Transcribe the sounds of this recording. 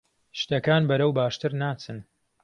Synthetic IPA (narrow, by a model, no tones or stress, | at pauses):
ʃt̪ɐkaːnbɐɾɐwbaːʃt̪ɨɾnaːt͡sɨn